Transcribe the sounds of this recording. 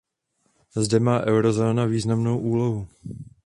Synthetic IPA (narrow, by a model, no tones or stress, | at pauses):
zdɛmaːʔɛwɾo̞zo̞ːnaviːznamno̞wʔuːlo̞ɦu